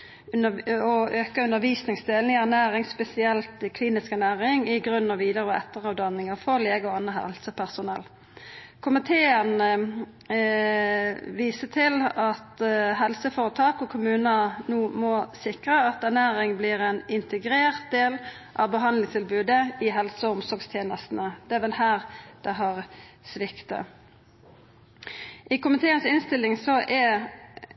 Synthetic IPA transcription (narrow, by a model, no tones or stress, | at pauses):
ɔʔøːkəʉnəɾʋiːsnɪŋsd̪eːln̩ɪæʁnæːɾɪŋspɛsɪɛlt̪ɪkʰliːnɪskænæːʁɪŋɪɡʁʉnnɑʋiːd̪əʁəɔʔɛ̰t̪ːəʁɑʋd̪ɑnːɪŋəfɔʁleːɡɔɑnəɦɛ̰lsəpʰæʁsʊnɛ̰l | kʰʊmɪt̪ʰeːən | ʋiːsət̪ʰɪlɑt̪ɦɛlsəfoːʁət̪ʰɑːkɔkʰʊmʉːnənuːmɔsɪkʁəɑt̪ænæːɾɪŋbliːʁɛnɪnt̪ʰəɡɾeːʁt̪̚d̪eːl | ʔɑ̰ʋbəɦɑnd̪lɪŋst̪ʰɪlbʉːd̪əɪɦɛlsəɔʊmsɔɾɡst̪ʰjeːnəst̪nəd̪̥ɛæʋɛlhæːʁd̪̥ɛɦɑːʁsʋɪkt̪ə̰ | ʔɪkʊmɪt̪ʰeːənsɪnst̪ɪlːɪŋsɔʔɛ